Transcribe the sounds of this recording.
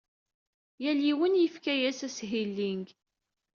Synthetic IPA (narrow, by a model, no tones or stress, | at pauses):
jæliwənjəfkæjæsæsɦilːiŋɡ